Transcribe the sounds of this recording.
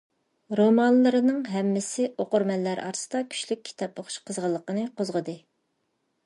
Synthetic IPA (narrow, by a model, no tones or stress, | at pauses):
ɾomɑnlˠɨɾɨnɨŋɦɛmːɪsɪoqʊɾmɛlːæɾʔɑ̰ɾsɨ̥d̪ɑkʲʰy̥ʃlyk̚ʲʰːi̥t̪ʰɑpoχʊ̥ʃqʰəzʁəlˠːəqənɨqʰozʁəd̪ɨ